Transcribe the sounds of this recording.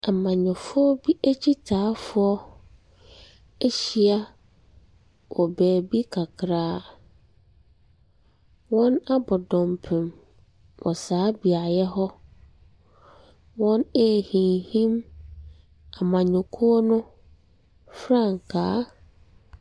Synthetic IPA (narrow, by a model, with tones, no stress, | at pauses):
a˨mã˨ɲʊ̃˨fʊ˦ɔ˦bi˦ʔæ˦t͡ɕʰi˦tʰaː˨˦fʊ˦ɔ˦ | e˦ɕi˨˦a˦ | wʔɔ˨bɛː˨bi˦kʰa˨kʰɾaː˦ | wɔ̃˦na˦bɔ˨dɔ̃˨mpʰɪ̃˨m | wɔ̰˨saː˨˦bi˨a˨jɛ˦ɦɔ˦ | wɔ̃˦ne˦˨hĩ˨nhĩ˦m | a˨mã˨ɲʊ̃˨kʰu˦ɔ˦nʊ̃˦ | fɾã˦˨ŋ˨kʰaː˨˦